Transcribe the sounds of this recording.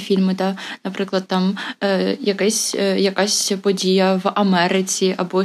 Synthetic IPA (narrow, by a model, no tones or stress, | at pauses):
fʲilʲmɪt̪ɐnɐpɾɪklˠɐd̪̚t̪ɑm | jɐkɛsʲjɐkasʲpɔdʲijɐʋɐmɛɾɪt͡sʲiʔɐbɔ